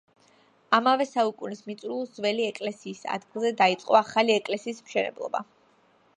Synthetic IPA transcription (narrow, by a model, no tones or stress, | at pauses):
amavɛsaukʼunismit̪sʼɾulˠzvɛliɛkʼlɛsiːsa̰d̪ɡilˠzɛd̪ait̪sʼqʼɔaχaliɛkʼlɛsiːsmʃɛnɛ̰blˠɔ̰ba